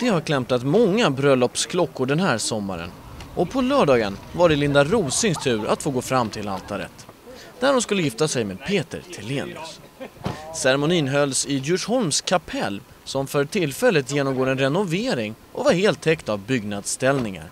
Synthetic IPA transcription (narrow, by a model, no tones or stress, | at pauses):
d̪̥ɛhaɾkʰlɛm̚t̪at̪mɔŋːabɾœlːɔpskʰlɔkːʊɖɛnɦæːɾsɔmːa̰ɾə̰nʔɔpʰɔlœːɖɑːɡənvaɖəlɪnd̪aɾuːsɪŋst̪ʰʉ̟ːɾʔa̰t̪foːɡoːfɾamːt̪ʰɪla̰lt̪ʰaɾə̰t̪ | d̪̥æɾɔmskɵlːəjɪft̪asɛjmeːd̪̚pʰeːt̪ə̰ɾt̪ʰɪlːeːnɪə̰s | sɛɾɛmʊniːnɦœlsɪjʉʂhɔlmskʰapʰɛ̰lː | sɔmfœɾʈʰɪlːfɛlːət̪jeːnɔmɡoːɾɛnɾɛnʊveːɾɪŋʔɔvaɾheːlt̪ʰːɛkt̪avbʏɡnad̪st̪ɛlnɪŋa̰ɾ